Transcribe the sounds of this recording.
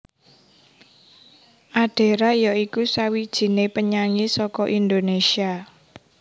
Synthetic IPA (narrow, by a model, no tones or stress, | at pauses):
ʔaɖ̥e̤ɾajaikusawid̥ʒ̥i̤nepəɲaŋisɔkɔʔind̪onesia